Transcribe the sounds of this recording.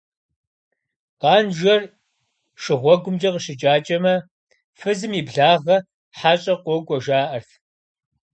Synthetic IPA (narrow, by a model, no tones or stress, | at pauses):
qɑːnʒɐr | ʃɪʁʷɔɡʷʊmd͡ʒɐqəɕɪt͡ʃʼaːt͡ʃʼɐmɐ | fɨzɨmibɮaːʁɐ | ħaɕʼɐqʷɔɡʷʼɔʒaːʔɐrt